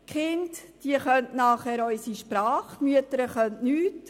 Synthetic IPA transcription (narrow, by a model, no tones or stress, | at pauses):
kχɪntd̥iəχœntnaːχɛːɾɔʏsiʃpɾɑːχmyətəɾəχœntnyːt